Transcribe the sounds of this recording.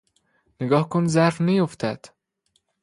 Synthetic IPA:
neɡɒːhkʰonzæɾfnæjoft̪ʰæd̪̥

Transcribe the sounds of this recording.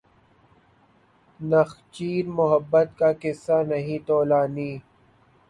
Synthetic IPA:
nɐxt͡ʃiːɾmʊɦəbːət̪̚kaːkɪsːanɐɦĩt̪oːlaːniː

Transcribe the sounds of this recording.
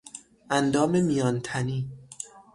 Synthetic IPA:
ʔænd̪ɒːme̞mijɒːnt̪ʰæniː

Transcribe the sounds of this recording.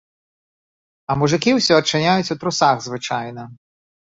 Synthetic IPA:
ɐmuʐɨkʲiwsʲɔɐt͡ʂːɨnʲajut͡sʲut̪ɾusaɣzvɨt͡ʂajnɐ

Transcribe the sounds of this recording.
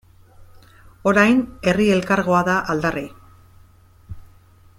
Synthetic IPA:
o̞ɾajne̞rie̞lkaɾɣo̞aðaʔald̪ari

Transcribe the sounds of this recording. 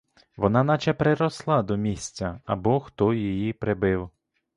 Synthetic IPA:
ʋɔnɑnɑt͡ʃɛpɾɪɾɔslˠɑd̪ɔmʲisʲt͡sʲɐɐbɔxt̪ɔjijipɾebɪw

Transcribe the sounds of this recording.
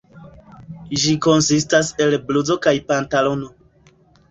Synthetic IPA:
d͡ʒiko̞nsistase̞lbluzo̞kajpantalo̞no̞

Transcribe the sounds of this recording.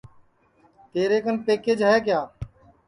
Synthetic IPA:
t̪eːɾeːkənpeːkeːd͡ʒɦəeːkjaː

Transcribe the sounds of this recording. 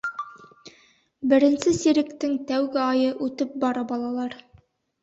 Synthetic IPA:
bɘ̆ɾɘ̆nsɘsiɾɘ̆kt̪ɘŋt̪æwɡɘɑjɤʔʉt̪ɘp̚bɑɾɑbɑlˠɑlˠɑɾ

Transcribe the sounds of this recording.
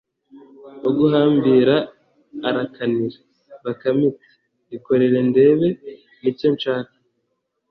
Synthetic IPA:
oɡuɦaːmbiːɾaː | ɾakʰaniɾa | βakamit͡se̥ | βiko̞ɾe̞ɾe̞nde̞βe̞ | nicont͡ʃaːkḁ

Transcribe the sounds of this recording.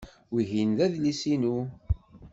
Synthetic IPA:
wiɦinðæðlisinu

